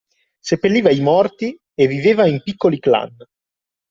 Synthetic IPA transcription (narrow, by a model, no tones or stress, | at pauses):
sepːelːiːvaimɔrt̪i | evːiveːvaimpikːolikla̰n